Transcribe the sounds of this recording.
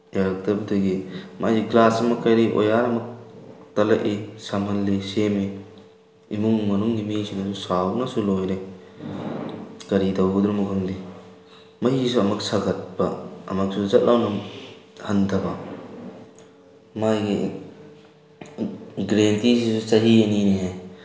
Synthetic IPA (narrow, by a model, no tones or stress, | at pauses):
jaɾɐk̚tɐbɐdojɡimajɡiklasɐmɐkːɐjɾiʔo̰jaɾɐmɐk̚tɐlɐʔisamɐnlisemi | imuŋmɐnuŋɡimisinɐsusawnɐsulojɾe | kɐɾidɐwɡɐd̪uɾɐmukʰɯndi | mɐjis̬uɐmɐk̚sɐɡɐt̚bɐɐ̰mɐk̚suzɐt̚lʔawnɐ | hɐntʰɐbɐ | majɡḭ | ɡɾentis̬isusɐɦiɐniniɦe